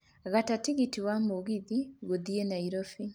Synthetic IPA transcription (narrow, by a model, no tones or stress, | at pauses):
ɣatatiɣitiwamuɣiðiɡuðienaiɾofi